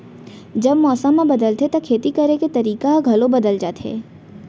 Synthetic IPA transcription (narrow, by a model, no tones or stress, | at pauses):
d͡ʒɐbmɔːsəmːẽbɐd̪əlt̪et̪okʰeːt̪ikɐɾeket̪ɐɾiːkaɡʱɐlobɐd̪əld͡ʒaːt̪ḛː